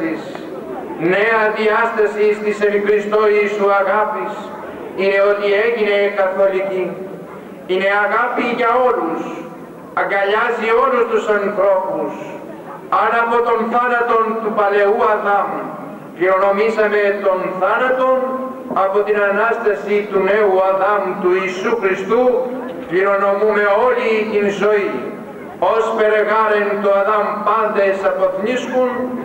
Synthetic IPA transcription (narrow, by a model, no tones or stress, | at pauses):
is | ne̞ɐðiɐst̪ɐsist̪ise̞pixɾist̪o̞iːsuɐɣɐpis | ine̞o̞t̪ie̞ʝine̞kɐθolic̪i | ine̞ɐɣapiʝɐo̞lus | ɐŋɡɐʎɐzio̞lust̪usɐnθɾo̞pus | ɐnɐpo̞t̪o̞nθɐnɐt̪o̞nt̪upɐle̞uɐðɐm | kiɾonɔmisamet̪ɔnθaɾat̪on | apɔt̪inanast̪esit̪uneuaðamt̪uisukɾist̪u | viɾonɔmumeɔliːnsoi | ɔspeɾeɣaɾent̪uaðampand̪esapɔt̪ɲiskun